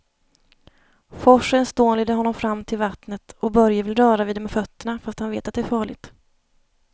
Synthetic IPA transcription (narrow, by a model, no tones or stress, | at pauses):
fɔʂːənst̪oːnlɛːd̪əɾhɔnːɔmfɾamːt̪ʰɪlvat̪nət̪ɔbœɾjəvɪlɾœːɾaviːd̪ɛmɛfœt̪ːəɳafast̪hanvḛːt̪at̪̚d̪ɛæɾfɑːɭɪt̪